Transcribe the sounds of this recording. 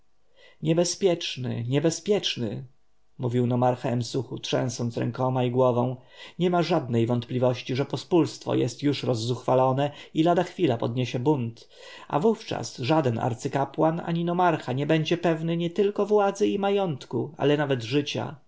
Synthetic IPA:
ɲɛbɛspʲjɛt͡ʂnɘ̰ɲɛbɛspʲjɛt͡ʂnɘ̰ | muvʲiwnɔmaɾxaɛmsuxutʂɛ̰̃w̃sɔnt̪sɾɛ̰ŋkɔmaiɡwɔvɔ̃w̃ɲɛmaʐad̪nɛjvɔnt̪plʲivɔɕt͡ɕiʐɛpɔspulst̪fɔ̰jɛ̰st̪juʂɾɔzːuxfalɔnɛilad̪axfʲilapɔd̪ɲeɕɛbunt̪ | ʔa̰vuft͡ʂa̰sʐad̪ɛna̰ɾt̪sɘkapwana̰ɲinɔmaɾxaɲɛbɛɲd͡ʑɛpɛvnɘɲɛt̪ɘlkɔvwad̪zɘimajɔnt̪kua̰lɛnavɛd̪ʐɘt͡ɕa̰

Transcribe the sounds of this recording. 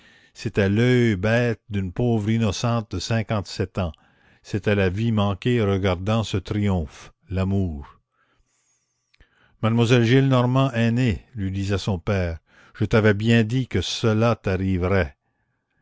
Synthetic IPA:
set̪ɛlœjbɛːt̪̚d̪ynpoːvʁinɔsɑ̃ːt̪̚d̪əsɛ̃kɑ̃t̪sɛt̪ɑ̃ | set̪ɛlavimɑ̃kʲeʁəɡaʁd̪ɑ̃sət̪ʁijɔ̃f | lamuːʁ | mad̪mwazɛlʒilnɔʁmɑ̃ʔɛnelɥid̪izɛsɔ̃pɛːʁ | ʒ̥ət̪avɛbjɛ̃d̪ikəsəlat̪aʁivʁɛ

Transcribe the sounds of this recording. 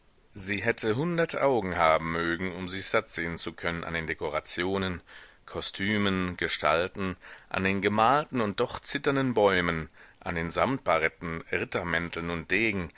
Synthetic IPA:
ziːɦɛtʰəɦʊndɐtʔaʊɡŋ̩haːbm̩møːɡŋ̩ʊmzɪçz̥atz̥eːənt͡sukʰœnəna̰ndeːndekoʁ̞at͡sjoːnən | kʰɔstʰyːmənɡ̥əʃtʰa̰ltn̩ʔa̰ndeːnɡəmaːltn̩ʊnt̚d̥ɔχt͡sɪtɐndənbɔʏmənʔa̰ndeːnzamt̚b̥aʁɛtn̩ʁɪtɐmɛntʰl̩nʊnt̚d̥eːɡŋ̩

